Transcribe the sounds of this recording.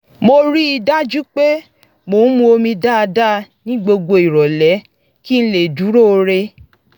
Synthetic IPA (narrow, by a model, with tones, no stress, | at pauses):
mo˧ɾi˦i˧da˦d͡ʒu˦k͡pe˦ | mo˨n̩˦mũ˧o˧mĩ˧da˦a˧da˦nĩ˦ɡ͡bo˧ɡ͡bo˧i˨ɾɔ˨lɛ˨˦ | ki˦n̩˦le˨d͡ʒu˨˦ɾo˦˧ɾe˧